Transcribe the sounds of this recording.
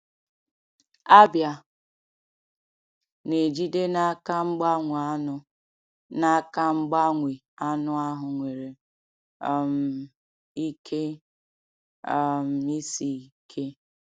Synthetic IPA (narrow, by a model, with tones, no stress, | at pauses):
a˦bja˨ | ne˨d͡ʒi˦de˦na˦ka˦ŋ͡m̩˦ɡ͡ba˦ŋʷ˨a˦nʊ˦ | na˦ka˦ŋ͡m̩˦ɡ͡ba˦ŋʷi˨ | a˦nʊ˦a˦ɦʊ˨ŋʷe˨ɾe˨ | m̩˨ | i˦kʰe˦˨ | m̩˨i˦si˨kʰe˦